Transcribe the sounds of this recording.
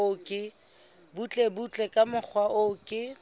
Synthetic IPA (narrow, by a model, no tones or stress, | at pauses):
ʊkʼɪ | but͡ɬʼebut͡ɬʼɛkʼamʊk͡xʰwaʔʊkʼɪ